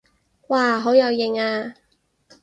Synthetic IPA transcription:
waː˧˩ɦo˨˥wjɐ˨˧wjɪ˨˩ŋaː˧

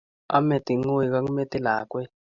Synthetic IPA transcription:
a̰˦mɛ˨ti˨ŋo˦ji˨ka˦ŋ˦mɛ˦tɛ˦la̰ː˨kwɛ˦

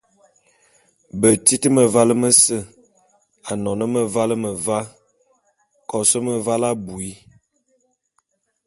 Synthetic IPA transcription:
bə˨ti˦tə˦mə˨va˦lə˦mə˦sə˦˨ | a˨nɔ˨nə˦mə˨va˦lə˦mə˨va˦ | kɔ˨sə˦mə˨va˦la˦bu˨i˦

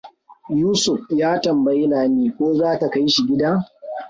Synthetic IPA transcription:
juː˦sʊ˨ɸ̚jaː˦tɐ˨mbɐ˨ji˦laː˨neː˦kʷoː˦zaː˦ta˨ka˦jʃi˨ɡʲɪ˦daː˦

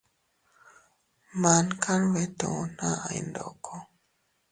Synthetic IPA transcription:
ma˨˦nkʰa˦nwɛ˦t̪o˨˦na˦a̰˨jndɔ̰˨kʰɔ˦

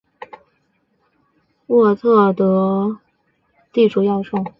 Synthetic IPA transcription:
wɔ˥˧t͡s̪ʰɤ˥˩t̪ɤ˧˥ | t̪i˥˩ʈ͡ʂʰu˥˩jɑ˥˧ʊʂo˥˩ŋ

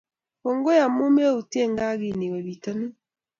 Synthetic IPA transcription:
ɔ˨ŋɡo˦ja˨mu˦m˦e˦u˨ti˦ɛ˦˨ŋɡa˦ɣi˦˨ni˨wɛ˨βi˨ta˦nu˦

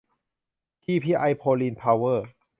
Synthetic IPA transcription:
t̪ʰiː˧pʰiː˧ʔa˧jpʰoː˧liː˧npʰaː˧wɤː˥˩

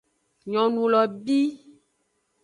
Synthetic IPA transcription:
ɲɔ̃˨nũ˨lɔ˨bi˦

